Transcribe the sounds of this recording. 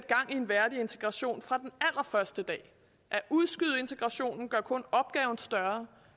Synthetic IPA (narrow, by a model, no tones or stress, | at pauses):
sed̥̚ɡ̥ɑ̈ŋ̰ie̝nʋæɐdie̝nt͡sʰe̝ɡ̥ʁɑ̈ɕo̝̰ːnfʁɑ̈d̥enæl̰ɐfɶɐsd̥əd̥ɛ̰ː | ʔæʔuð̞ˠsɡ̥yð̞̰ˠe̝nt͡sʰe̝ɡ̥ʁɑ̈ɕo̝̰ːnn̩ɡ̥ɶɐkʰɔ̽nɒ̽b̥̚ɡ̥ɛːʊn̩sd̥ɶɐ